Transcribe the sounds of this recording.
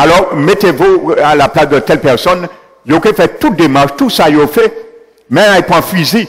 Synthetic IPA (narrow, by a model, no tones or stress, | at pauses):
alɔʁmet̪evualaplasd̪ət̪ɛlpɛʁsɔn | jokefɛtut̪̚d̪emaʁʃt̪usajofɛ | mɛ̃aipʁãfɥizi